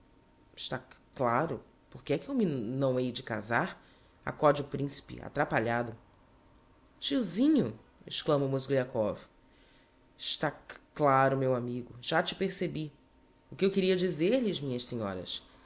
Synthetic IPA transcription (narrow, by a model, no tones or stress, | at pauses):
ɪ̥ʃt̪aklaɾʊ | poɾkɪɛkɪewminɐ̃w̃ejd͡ʒɪka̰zaɾ | a̰kɔd͡ʒiʊpɾĩsi̥pɪ̰a̰t̪ɾapaʎad̪ʊ | t͡ʃiuzĩɲʊ | ɪʃklɐ̃mɐmozɡliakɔv | ɪʃt̪aklaɾʊmewamiɡʊʒ̥at͡ʃɪ̥peɾsebi | ʊkɪewkɪɾiɐd͡ʒizeɾlɪzmĩɲɐʃsiɲɔ̰ɾɐ̰s